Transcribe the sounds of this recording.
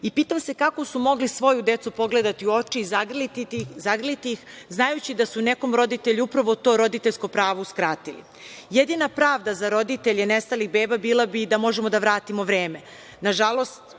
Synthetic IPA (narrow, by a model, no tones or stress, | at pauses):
ipiːt̪amsekako̞sumo̞ɡlisʋo̞jud̪e̞t̪supo̞ɡled̪at̪iuo̞t͡ʃizɡ̪zaɡrlit̪ixznajut͡ɕid̪asune̞ko̞mɾo̞d̪it̪eʎuupɾaʋot̪o̞ːɾo̞d̪it̪eʎʲsko̞pɾaːʋoskɾaːt̪ilḭ | jed̪inapɾaːʋd̪azaɾo̞d̪it̪eʎenest̪aliɣbeːbabiːlabid̪amo̞ʒemo̞d̪aʋɾaːt̪imo̞ʋɾeːme | naʒalˠo̞st̪